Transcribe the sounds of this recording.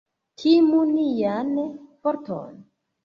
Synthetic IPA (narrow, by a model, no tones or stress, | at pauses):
kʰimunijanpɔɾtʰo̰n